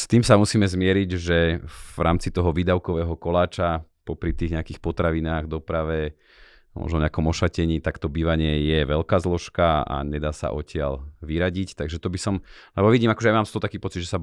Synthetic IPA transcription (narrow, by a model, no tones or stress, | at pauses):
st̪iːmsamusiːmɛzmɪɛɾiɟʒɛvɾaːmt͡sit̪ɔɦɔʋiːd̪aʊkɔʋɛːɦɔkɔlaːt͡ʃapɔpɾit̪iːɣɲɛakixpɔt̪ɾaʋinaːɣd̪ɔpɾaʋɛ | mɔ̰ʒnɔɲɛakɔmɔʃacɛɲiːt̪akt̪ɔbiːʋaɲɪɛjɛʋɛlkaːzlɔʃkaa̰ɲɛd̪aːsa̰ʔɔcɪa̰lʋiɾaɟict̪aɡʒɛt̪ɔbisɔmlɛbɔʋiɟiːmakɔʒɛjamaːmst̪ɔt̪akiːpɔt͡sid̪ʒɛsa